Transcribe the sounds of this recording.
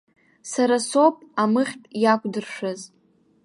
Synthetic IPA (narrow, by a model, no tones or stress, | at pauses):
saɾaso̞pʼamɨχʲtʼjakʷʼdɨrʂɨz